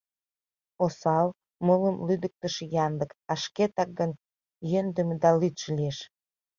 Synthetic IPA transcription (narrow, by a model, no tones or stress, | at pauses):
osɑl | mələmlyd̪ək̚t̪əʃejɑnd̪əkɑʃket̪ɑk̚ɡən | jønd̪ə̆md̪ɑlyt̪ʃlʲieʃ